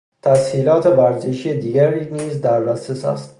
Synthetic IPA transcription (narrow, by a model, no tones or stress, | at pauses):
t̪ʰæshiːlɒːt̪ʰe̞væɾzeʃijed̪iːɡæɾiːniːzd̪æɾbæsesæ̰st̪